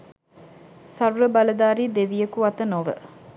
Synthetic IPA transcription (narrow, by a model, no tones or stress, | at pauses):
sɐɾuɾəbɐlɐd̪aːɾiːd̪eʋijəkuɐt̪ənoʋə̰